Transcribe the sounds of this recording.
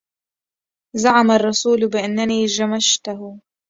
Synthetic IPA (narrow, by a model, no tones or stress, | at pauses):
zaʕamarˤːɑsuːlbɪʔanːaniːʒamaʃt̪aɦʊ